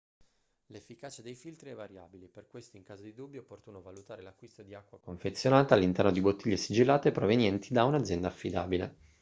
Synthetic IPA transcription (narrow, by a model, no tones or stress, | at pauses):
lefːikaːt͡ʃad̪ejfilt̪ɾiɛvːaɾjaːbileperkwest̪oiŋkaːzod̪id̪ubːjopːort̪uːnovalut̪aːɾelakːwist̪od̪iakːwakoɱfet̪sːjonaːt̪aalːint̪ɛrnod̪ibot̪ːiʎːesid͡ʒilːaːt̪epɾovenjɛnt̪ʰid̪aunad̪zjɛnd̪aːfːid̪a̰ːbile